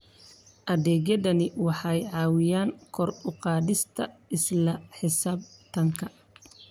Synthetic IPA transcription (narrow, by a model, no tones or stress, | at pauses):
ʔɐðɛːɡɐðɐnɪwɑħɑjʕɑːwɪjaːŋkʰɔrʊqɑːdɪst̪ʰɐ̰ɪslɐħɪsaːb̚t̪ʰɐŋkʰɐ